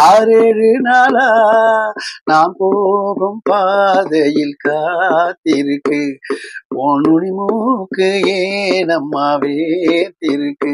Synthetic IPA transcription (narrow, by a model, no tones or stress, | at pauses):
aːɾeːrɯnaːla | naːmpoːɣɐmpaːðɐjɪlkaːt̪ːɪɾɯkːɯ | ɔnʊɳɪmuːkːɯeːnɐmːaːʋet̪ɪɾɯkːɯ